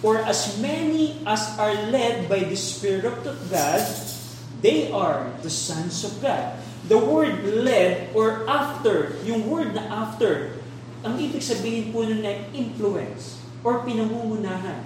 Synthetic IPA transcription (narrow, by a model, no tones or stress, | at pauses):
ʔɔɹʔɐsmɛniʔɐsaɹlɛd̪̚bajd̪ɐspɪɹɪɹɪt̪ɔvɡad̪̚ | d̪ejʔaɹd̪ɐsɐ̃nsɔvɡad̪̚ | d̪ɐwɛɹd̪lɛd̪ʔɔɹʔaft̪ɛɹjʊŋwɛɹd̪̚nɐʔaft̪ɛɹ | ʔɐŋʔibɪɡsɐbiːhɪnpunonɐʔɪ̃nfluɛ̰ns | ʔɔɹpɪnɐŋumʊnaːɦɐn